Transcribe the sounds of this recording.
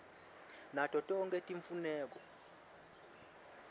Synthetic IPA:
natʼɔtʼɔɔŋɡʼetʼiɱfunɛːk̬ɔ

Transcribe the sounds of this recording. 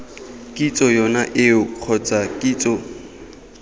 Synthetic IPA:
kʼit͡sʼɔjɔnaʔɪʊq͡χʰɔt͡sʼakʼiːt͡sʼɔ

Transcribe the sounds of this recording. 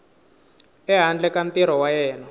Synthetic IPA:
ɛɦand͡ɮɛkant̪iɾɔwajɛːna

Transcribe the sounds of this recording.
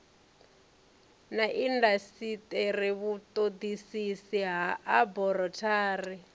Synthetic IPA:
naʔindasitʼeɾiβut̪ʼod̪isisiɦaʔabɔɾɔtʰaːri

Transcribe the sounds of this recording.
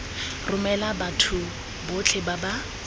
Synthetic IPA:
rʊmɛlabatʰʊ | bʊt͡ɬʰɪbaba

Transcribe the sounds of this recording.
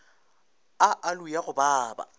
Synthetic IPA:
aʔalʊjaɣʊbaːba̰

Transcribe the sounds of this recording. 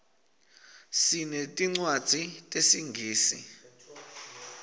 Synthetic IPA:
sinetʼiŋ͡ǀwad̥z̥ʱitʼesiŋɡʱiːsḭ

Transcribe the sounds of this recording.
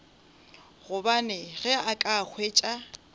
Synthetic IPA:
ɣʊbanɛɣɛakʼak͡xʰweːt͡ʃʼa

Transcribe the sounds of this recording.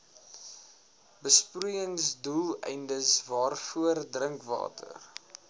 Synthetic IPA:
bəsprujəŋsdulˠɛ̰jndəsvɑːrfuərdrəŋkvɑ̰ːtʰə̰r

